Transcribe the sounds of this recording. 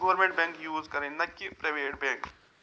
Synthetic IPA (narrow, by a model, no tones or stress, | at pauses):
ɡɔʋəɾmẽɳʈbɛ̃ŋkjuːzkɐɾẽːnɐkːipɾeʋeːʈbɛ̃ːŋk